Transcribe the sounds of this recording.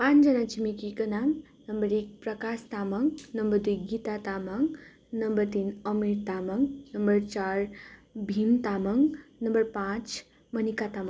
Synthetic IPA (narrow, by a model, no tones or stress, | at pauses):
pãt͡ʃd͡zʌnat͡ʃimikikʌnaŋ | nʌmbʌɾek̚pɾʌkast̪amʌŋɡnʌmbʌɾd̪ujɡit̪at̪amʌŋɡ | nʌmbʌɾt̪inʌmiɾt̪amʌŋɡnʌmbʌɾt͡ʃaɾbʱint̪amʌŋnʌmbʌɾpãt͡ʃ | mʌnikat̪aməŋ